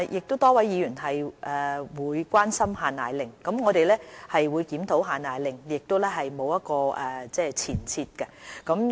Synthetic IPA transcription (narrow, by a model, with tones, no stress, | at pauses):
jʔɪ˨k̚t̪o˥wt̪ɔː˥wɐ˨˥jiː˨˧jyː˨˩nɦɐ˨jʔɛː˨wuː˨˧jkʷaː˥nsɐ˥mɦaː˨naː˨jlɪ˨˩ŋkɐ˨˥mŋɔː˨˧t̪e˨jlɛː˥hɐ˨jwuː˨˧jkiː˨˥mt̪ʰo˨˥wɦaː˨naː˨˩jlɪ˨ŋjɪ˨k̚t̪o˥wlɛː˥ɦɐ˨jmo˨˧wjɐ˥t̚kɔː˧ʔɛ˨t͡sɛː˥˩t͡sʰiː˨˩nt͡sʰiː˧t̚kɛ˧kɐ˨˥m